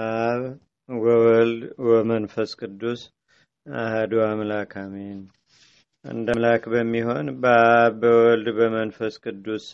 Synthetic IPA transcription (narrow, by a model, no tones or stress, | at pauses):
ʔaβ | wəwɔld̪wəmənfəskʼɨd̪ːus | ahad̪uamlakʰamen | ʔɨ̰nd̪əmlakbəmːiɦo̞nbəaβbəwɔld̪bəmənfəskʼɨd̪ːus